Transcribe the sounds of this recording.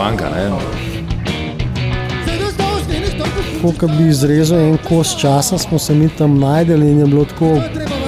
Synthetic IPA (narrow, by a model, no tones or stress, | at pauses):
aŋka̰nɛ̰ | kokɐbiːzɾeːzuɛŋkoːst͡ʃaːsasmɔsɛmit̪ɐmnaːjd̪əlːnjɛblot̪koː